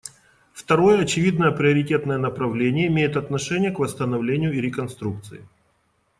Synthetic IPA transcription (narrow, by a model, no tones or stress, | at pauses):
ft̪ɐɾo̞jəɐt͡ɕɪvʲid̪nəjəpɾʲɪɐɾʲɪtʲe̞t̪nəjənəpɾɐvlʲenʲɪjəɪmʲejɪt̪ɐt̪nɐʂɛnʲɪjəkvəst̪ənɐvlʲenʲɪjʊɪɾʲɪkɐnst̪ɾuk̚t̪sɨ̰ɪ̰